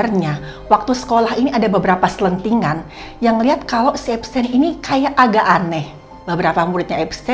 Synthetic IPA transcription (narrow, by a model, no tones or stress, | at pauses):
rɲa | wak̚t̪usə̥kolaɦiniadabəbəɾapasələnt̪iŋan | jaŋliɦat̪̚kalowsiɛpsɛninikajaʔaɡaʔanɛh | bəbəɾapamuɾɪt̪̚ɲaɛpsɛ